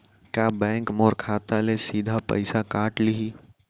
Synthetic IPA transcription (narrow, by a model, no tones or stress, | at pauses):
kjaːbɛ̃ːŋkmɔːɾkʰaːt̪alesiːd̪ʱapɐ̰ɪsakaːʈliɦiː